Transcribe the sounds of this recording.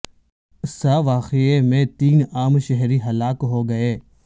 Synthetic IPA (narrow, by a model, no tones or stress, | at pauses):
saʋaːqeemẽt̪iːnaːmʃɛɦɾiɦɐlaːkɦoːɡɐeː